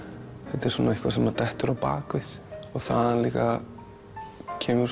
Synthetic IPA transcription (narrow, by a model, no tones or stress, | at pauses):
θɛt̪ɛɾ̥suːnaɪhkvasɛmat̪ɛht̪ʏɾawpa̰ːkɪθɔɣθaðanliːka | cʰɛːmʏɾ